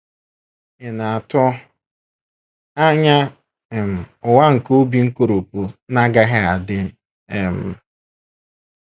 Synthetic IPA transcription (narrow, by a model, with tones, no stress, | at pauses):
ɪ˨na˨a˨tʊ˦ | a˦ɲa˦˨ | m̩˨ʊ˨wa˦ŋ̩˨ko˦bi˨ŋ̩˦ko˦ɾo˨po˨na˦ɡa˦ɦɪ˦a˨dɪ˦ | e˨m̩˨